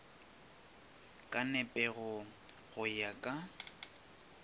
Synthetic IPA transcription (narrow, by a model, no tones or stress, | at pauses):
kʼanɛpʼɛɣʊ | ɣʊjakʼa